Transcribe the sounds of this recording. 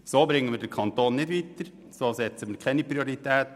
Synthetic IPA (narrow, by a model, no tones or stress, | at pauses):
soːbɾɪŋːənʋɪːdɛɾkʰɑnt̪oːnnɪt̪ʋiːt̪əɾ | soːsɛt̪səmɪːkʰlɛnipɾioɾɪt̪ɛːt̪